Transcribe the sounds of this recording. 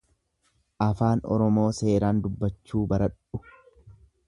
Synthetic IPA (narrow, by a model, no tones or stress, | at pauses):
ʔɐfaːnɔ̰ɾɔmo̞ːse̞ːɾaːnd̪ʊbːɐt͡ʃːuːbɐɾɐᶑʊ